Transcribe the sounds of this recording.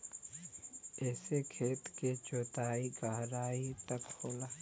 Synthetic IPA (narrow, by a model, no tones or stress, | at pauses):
ɛːsekʰeːt̪ket͡ʃoːt̪aːiɡaːɦɾaːit̪ɐkhoːlaː